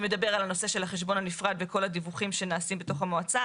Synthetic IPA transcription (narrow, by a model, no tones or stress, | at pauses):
me̞d̪abe̞ʁalano̞se̞ʃelhaχeʃ̬bo̞nanifʁad̪veko̞lad̪ivuχimʃenaːsimbe̞t̪o̞χamoat͡sa